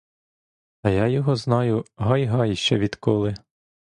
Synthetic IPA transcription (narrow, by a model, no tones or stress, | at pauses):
ɐjɑjɔɦɔznɑjʊɦɑjɦɑjʃt͡ʃɛʋʲid̪kɔlˠɪ